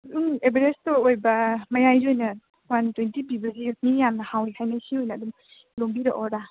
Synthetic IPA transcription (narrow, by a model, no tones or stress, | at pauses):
ɯŋebeɾestɔojbɐmajajziojnɐ | wantwentibibɐzimijamnɐhawehajnasiojnɐːdum | loŋbiɾa̰ʔɔɾa